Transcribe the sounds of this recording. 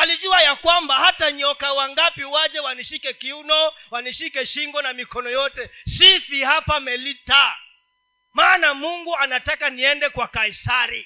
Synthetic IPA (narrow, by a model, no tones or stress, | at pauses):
aliʄuajakwambahataɲɔkawaŋɡapiwaʄɛwaniʃikɛkiunɔwaniʃikɛʃiŋɡɔnamikɔnɔjɔtɛsifihapamɛlita | maːnamuŋɡuanatakaniɛndɛkwakaisaɾi